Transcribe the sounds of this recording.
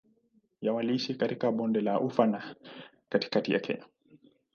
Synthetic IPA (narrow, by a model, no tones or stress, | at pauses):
jawaliiʃikatikaɓɔndɛlaʔufana | kati̥katija̰kʰɛ̰ɲa